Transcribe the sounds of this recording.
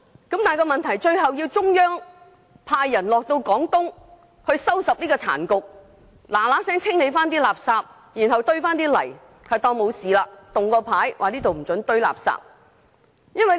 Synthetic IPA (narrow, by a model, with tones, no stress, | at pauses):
kɐ˨˥mt̪aː˨jkɔː˧mɐ˨nt̪ʰɐ˨˩jt͡ʃɵ˧ɥɦɐ˨wji˧wt͡sʊ˥ŋjœː˥ŋ | pʰaː˧jːɐ˨˩nlɔː˨k̚t̪o˧wkɔː˨˥ŋt̪ʊ˥ŋ | hɵ˧ɥsɐ˥wsɐ˨p̚liː˥kɔː˧t͡sʰa̰ː˨˩nkʊ˨k̚ | laː˨˩laː˨˥sɛː˥ŋt͡sʰɪ˥ŋle˨˧jfaː˥nt̪iː˥laː˨˩p̚saː˧p̚ | jiː˨˩nhɐ˨˩wt̪ɵ˥ɥfaː˥nt̪iː˥lɐ̰˨˩j | hɐ˨jt̪ɔː˧ŋmo˨˧wsiː˨laː˧t̪ʊ˨ŋkɔː˧pʰaː˨˥jwaː˨˩liː˥t̪o˨wm̩˨˩t͡sɵ˨˥nt̪ɵ˧ɥla̰ː˨p̚sa̰ː˧p̚ | jɐ˥nwɐ˨